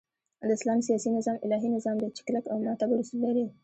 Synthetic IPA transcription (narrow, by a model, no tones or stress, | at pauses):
d̪əɪslɑnsijɑsinɪzɑmɪlɑɦinɪzɑmd̪ət͡ʃɪ̥klakawmɑt̪abaɾusulːaɾi